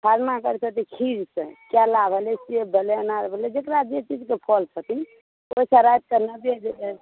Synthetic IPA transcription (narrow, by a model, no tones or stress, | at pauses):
pʰaɾmakəɾt͡ʃʰət̪ikʰiɾsḛ̃kjalabʱəlesiebeleənaɾbʱəled͡ʒekɾad͡ʒet͡ʃid͡ʒkepʰɔlt͡ʃʰət̪i | oisaɾajt̪̚kenəbed͡ʒele